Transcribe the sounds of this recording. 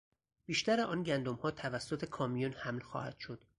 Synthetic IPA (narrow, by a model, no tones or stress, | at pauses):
b̥iːʃt̪æɾeʔɒːnɟænd̪omhɒːt̪ʰævæsːot̪ʰe̞kʰɒːmijunhæmlxɒ̰ːhæ̰d̪̥ʃo̞d̪̥